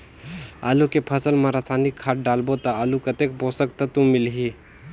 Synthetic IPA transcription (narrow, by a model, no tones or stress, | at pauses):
a̰ːlukepʰəsəlmãɾasanikʰːaːʈ̚ɖalbot̪ɐalukət̪ek̚bosəkt̪ɐt̪ũmilɦi